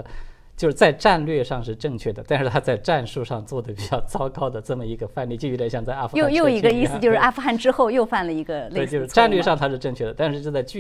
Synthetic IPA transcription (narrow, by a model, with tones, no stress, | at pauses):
t͡ɕjo˥˧ʊʂɻ̩˥˩t͡sa˥˧ɪʈ͡ʂa˥˧nlɥɛ˥˧ʂɑ˥˧ŋʂɻ̩˥˧ʈ͡ʂɤ˥˧ŋt͡ɕʰɥɛ˥˩d̪ə˩t̪a˥˧nʂɻ̩˥˩t̪ʰa˥t͡sa˥˧ɪʈ͡ʂa˥˧nʂu˥˧ʂɑ˥˧ŋt͡swɔ˥˩d̪ə˩pi˨˩t͡ɕjɑ˥˩ʊt͡sɑ˥ʊkɑ˥ʊd̪ə˨ʈ͡ʂɤ˥˩mə˩i˧˥ɡə˧fa˥˧nli˥˩t͡ɕj̪ə˧˥ɕjɑ˥˧ŋt͡sa˥˧a˥˩fjo˥˧jo˥˩˥ʊi˧˥ɡə˧i˥˩s̩˩t͡ɕo˥˧ʂɻ̩˥˧ʔa˥˩fu˧xa˥˩nʈ͡ʂɻ̩˥xo˥˧ʊjo˥˧ʊfa˥˩nlə˩i˧˥ɡə˧le˥˧t͡ɕo˥˧ʊ˥ʂ̩˥˩˧ʈ͡ʂa˥˧nlɥɛ˥˧ʂɑ˥˧ŋt̪ʰa˥ʂɻ̩˥˧ʈ͡ʂɤ˥˧ŋt͡ɕʰɥɛ˥˩d̪ə˩t̪a˥˧nʂɻ̩˥˧t͡ɕjo˥˧t͡sa˥˧ɪt͡ɕ